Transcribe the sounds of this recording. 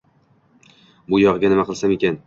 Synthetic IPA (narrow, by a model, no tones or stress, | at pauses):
bʊjɒʁɡanɪmaqʰɨlˠsamekʲan